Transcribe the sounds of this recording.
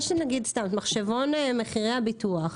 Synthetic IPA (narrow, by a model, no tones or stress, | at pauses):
ʃenaɡidst̪amt̪maχʃevo̞neme̞χiʁeabituaχ